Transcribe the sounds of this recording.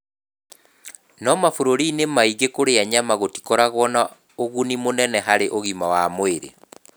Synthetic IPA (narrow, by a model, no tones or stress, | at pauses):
nɔmafoɾoɾinemaiɣekoɾeaɲamaɣoti̥kɔɾaɣwɔna | oɣunimonɛnɛɦaɾeʔoɣimawamoeɾḛ